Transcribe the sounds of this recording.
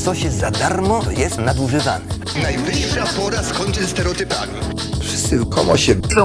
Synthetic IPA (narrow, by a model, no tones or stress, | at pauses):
t̪sɔɕɛzad̪aɾmɔjɛst̪nad̪uʐɘva̰nɛ | najvɘʂːapɔɾaskɔɲtɪst̪ɛɾɛɔt̪ɪpamʲi | fʂɘ̥st̪sɘlkʰɔmɔ̰ɕɛɔ